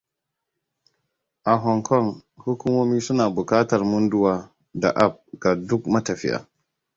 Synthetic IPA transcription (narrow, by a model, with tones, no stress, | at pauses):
ʔa˨ɦɔ˨ŋkʰɔ˦˨ŋhu˦kʷu˦moː˦miː˦sʊ˦naː˨bʊ˨kaː˦tɐ˨rmʊ˦ndʊ˦waː˦ | da̰˨ʔa˦˨p̚ɡ̥a˨dʊ˦kmɐ˦tɐ˨ɸɪ̰˦ʔa̰ː˨